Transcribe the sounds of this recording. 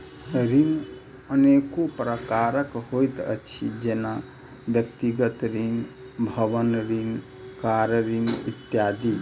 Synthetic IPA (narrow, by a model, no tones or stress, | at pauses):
ɾim | ənekopɾəkaɾəkhojt̪ə̰t͡ʃʰḭd͡ʒena | bjəkt̪iɡət̪ɾin | bʱəʋənɾiŋ | kaɾəɾimit̪jad̪i